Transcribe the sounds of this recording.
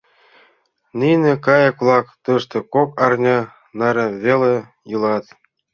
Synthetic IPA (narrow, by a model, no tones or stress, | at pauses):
nʲinʲĕkɑjɤklˠɑkt̪ɤʂt̪ɤ̆kokɑrnʲɑ | nɑɾʲĕβʲelʲe | jɯlˠɑt̪